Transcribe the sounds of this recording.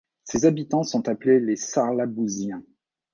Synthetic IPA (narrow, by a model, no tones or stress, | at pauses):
sezabit̪ɑ̃sɔ̃t̪aplelesaʁlabuzjɛ̃